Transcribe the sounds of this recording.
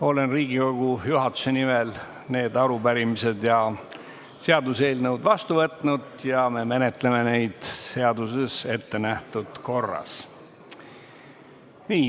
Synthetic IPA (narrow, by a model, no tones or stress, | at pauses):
o̞le̞nriːɡiko̞ɡ̥ujuɦɑt̪ːˑu̥se̞nimel | ne̞ːd̪ɑɾupæɾimise̞d̪̥jɑ | se̞ɑd̪use̞ːlnəwd̪vɑst̪uvɤt̪ːˑnud̪̥jɑme̞me̞net̪ːˑleme̞ne̞jd̪̥se̞ɑd̪̥use̞se̞t̪ːe̞næht̪ud̪̥ko̞rːɑ̰s | niː